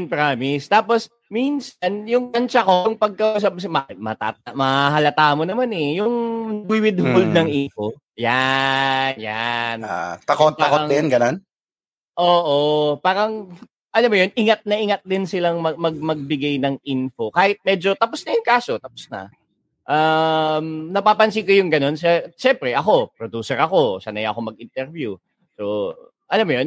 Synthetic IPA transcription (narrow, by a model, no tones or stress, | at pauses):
npɹaːmɪst̪aːpo̞s | minsɐnjʊŋpɐnt͡ʃɐko̞jʊŋpɐɡ̚kɐʔuːs̬ap̚s̬mɐmɐt̪a̰ːt̪̚amɐɦɐlɐt̪aːmonɐmanɛjʊŋbiwɪd̪holnɐŋʔinfo̞ | ja | njant̪ɐkoaɐkoɐŋd̪ɪnɡɐnon | ʔoːʔopaːɾɐŋ | ʔɐlɐmːɐjo̞nʔɪŋat̪̚nɐʔɪŋɐt̪̚d̪ɪnsɪlaŋmɐmɐɡ̚mɐɡ̚bɪɡajnɐŋʔinfo̞kaːhɪt̪̚mɛːd͡ʒo̞t̪ɐposnɐjʊŋkaːso̞t̪ɐposnɐ̰ | ʔamnɐpaːpɐnsikojʊŋɡɐno̞ns̬ɛʃɛmpɾɛʔɐko̞p̚ɾod̪uːsɛɾʔɐko̞sanɐjʔɐko̞mɐɡʔɪnt̪ɛɾvju | so̞ | ʔɐlɐmːɐjon